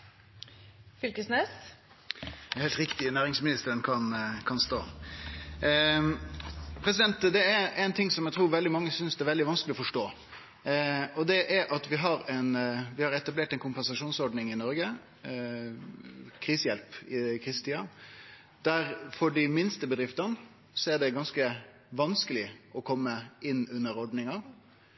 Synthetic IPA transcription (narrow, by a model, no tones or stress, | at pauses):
fʏlkəsneːs | hɛːlt̪ɾɪkt̪ɪnæːɾɪŋsmɪnɪst̪əɾənkʰɑnkʰɑnst̪o̰ː | pʰɾɛsɪd̪ɛnt̪d̪ɛææɪnt̪ʰɪŋsɔmjɛɡt̪ʰɾuːɾʋɛld̪ɪmɑŋːəsʏnsd̪ɛæɾʋɛld̪ɪʋɑnskəlɪɔfɔʂʈoː | ɔd̪ɛʔæɾʔɑt̪ʋɪɦɑɾɛnʋɪhɑɾɛt̪ɑbleːʈɛɪnkʰʊmpɛnsɑʂuːnsɔɾɖnɪŋɪnɔɾɡə | kʰɾiːsəjɛlpɪkʰɾiːsət̪iːɑ | d̪̥æɾfɔɖɪmɪnst̪əbəd̪ɾɪft̪ɑn | sɔɛɖɛɡɑnskə | ʋɑnskəlɪʔɔkʰɔmːəɪnːʉnːəɾɔɖnɪŋɑ